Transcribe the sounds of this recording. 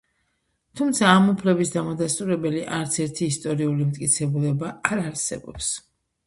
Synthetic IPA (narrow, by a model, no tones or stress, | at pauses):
t̪ʰumt̪sʰaːmupʰlɛbisd̪amad̪ast̪ʼuɾɛbɛliʔaɾt̪sʰɛɾt̪ʰiːst̪ʼɔɾiulimt̪ʼkʼit̪sʰɛbulɛbaːɾaɾsɛ̰bɔ̰ps